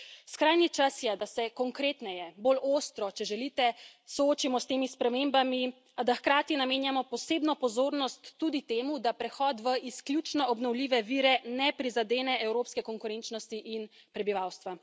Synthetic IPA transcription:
skɾajnit͡ʃasjɛd̪asɛkɔŋkɾeːt̪nɛjɛboloːst̪ɾɔt͡ʃɛʒɛlit̪ɛsɔoːt͡ʃimɔst̪eːmispɾɛmembami | ad̪axkɾaːt̪inameːnjamɔpɔseːbnɔpɔzoːɾnɔst̪ːud̪it̪eːmud̪apɾɛxɔːt̪ʋəʔisklʲjut͡ʃnɔʔɔbnɔwliːʋɛʋiːɾɛnɛpɾizad̪eːnɛʔɛwɾoːpskɛkɔŋkuɾent͡ʃnɔst̪iʔin | pɾɛbiʋawst̪ʋa

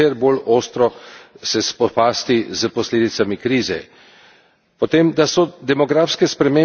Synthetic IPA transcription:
eɾboloːst̪ɾɔsɛspɔpaːst̪izəpɔsleːd̪it̪samikɾiːzɛ̰ | pɔt̪eːmd̪asɔd̪ɛmɔɡɾaːfskɛspɾɛmeː

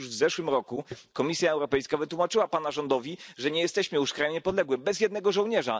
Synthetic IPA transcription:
uʐvzɛʂwɘmɾɔkukɔmʲisʲjaɛwɾɔpɛjskavɘt̪wumat͡ʂɘwapanaʐɔnd̪ɔvʲiʐɛɲɛjɛst̪ɛɕmɘjuʂkɾajɲɛpɔd̪lɛɡwɘbɛzjɛd̪nɛɡɔʐɔ̃wɲɛʐa̰

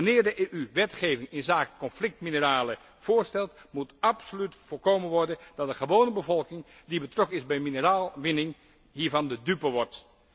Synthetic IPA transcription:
ənɪːɹdəʔeːʔyʋɛtχeːvɪŋɪnzaːkə̥kɔnflɪk̚tminəraːlə | v̥oːɹstɛlˠtmutapsolytfoːɹkoːmənʋɔɹdədɑt̚dəχəʋownəbəvɔlˠkɪŋ | dibətrɔkənɪzbɛjminəraːlˠʋɪnɪŋ | ɦiːɹvɑndədypəʋɔrt

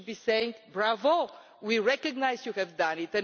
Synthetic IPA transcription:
biseɪ̃ŋɡbɹavə | wiɹɛkɨɡnaɪzjuhɛvd̪ãnɪt̪ɨ̃n

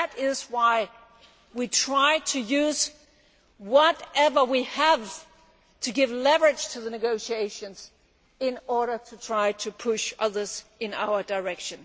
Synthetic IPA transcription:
ɨɾɪzwaɪ | witʰɹ̥aɪɾʰɨjʉz̥ | wʌɾɛvə˞wiəv̥ | tʰɨɡɪvlɛvə˞ɨd̥ʒ̥tʰɨðɨnɨɡoʊʃieɪʃɨ̃nz̥ | ɪ̃nɔɹɾə˞ɾɨtʰɹ̥aɪɾɨpʰʊʃʌðə˞zɨ̃na̰ʊə˞də˞ɛkʃɨ̃n

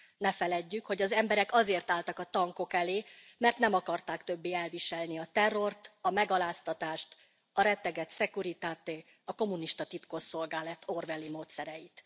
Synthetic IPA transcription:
nɛfɛlɛɟːykho̞ɟɒzɛmbɛɾɛkɒzeːrt̪aːlt̪ɒkɒt̪ɒŋko̞kɛleːmɛrt̪nɛmɒkɒrt̪aːkt̪ø̞bːeːɛlviʃɛlniɒt̪ɛrːo̞rt̪ɒmɛɡɒlaːst̪ɒt̪aːʃt̪ | ɒɾɛt̪ːɛɡɛt̪sɛkuɾit̪aːt̪eː | ɒko̞muniʃt̪ɒt̪it̪koʃo̞lɡaːlɛt̪ʰːo̞rvɛlːimoːt̪sɛɾɛjit̪

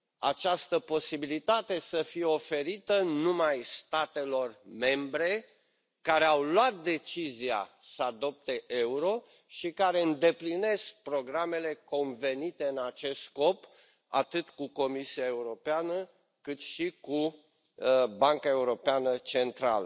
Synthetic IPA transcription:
a̰t͡ʃast̪əpo̞sibilit̪at̪e̞səfijeo̞fe̞ɾit̪ənumajst̪at̪e̞lo̞rme̞mbɾe̞ | kaɾe̞awlwat̪̚d̪e̞t͡ʃizia̰səad̪o̞p̚t̪e̞ʔe̞uɾo̞ | ʃikaɾe̞ɨnd̪e̞pline̞sk̚pɾo̞ɡɾame̞le̞ko̞nve̞nit̪e̞ɨnat͡ʃe̞st̪sko̞p | a̰t̪ɨt̪kuko̞misiae̞uɾo̞peanə | kɨt̪ʃiku | baŋkae̞uɾo̞peanət͡ʃe̞nt̪ɾa̰lə

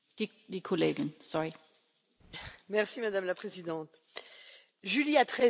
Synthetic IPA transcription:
d̥id̪ikʰɔleːɡənsɔʁi | mɛʁsimad̪amlapχezid̪ɑ̃t̪ | ʒyliat̪χɛ

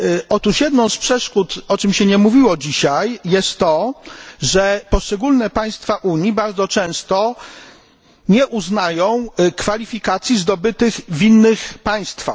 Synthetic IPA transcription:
ɔt̪uʂjɛd̪nɔ̃w̃spʂɛʂkut̪ɔt͡ʂɘmɕɛɲɛmuvʲiwɔd͡ʑiɕajːɛst̪ːɔ | ʐɛpɔʂt͡ʂɛɡulnɛpaj̃st̪faʔuɲjibaɾd̪zɔt͡ʂɛ̃w̃st̪ɔ | ɲɛʔuznajɔ̃w̃kfalʲifʲikat̪sʲjizd̪ɔbɘt̪ɘɣvinːɘxpaj̃st̪fa̰x

